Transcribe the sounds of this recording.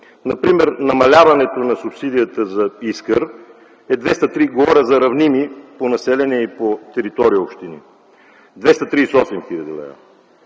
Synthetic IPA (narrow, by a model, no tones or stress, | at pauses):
nɐpɾimɛɾnɐmɐlʲavɐnɛt̪onɐsupsid̪ijət̪əzɐiskəɾ | ɛd̪vɛst̪ɐt̪ɾiɡvɔɾəzɐɾɐvnimiponɐsɛlʲɛnɛipot̪ɛɾit̪ɔɾijəopʃt̪inḭ | d̪vɛst̪ɐt̪ɾiːsɔsɛmxilʲɐd̪ḭlˠɛ̰ja̰